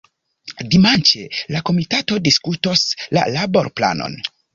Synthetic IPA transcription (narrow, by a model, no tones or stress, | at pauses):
dimant͡ʃḛlako̞mitato̞diskuto̞sla̰labo̞ɾpla̰no̞̰n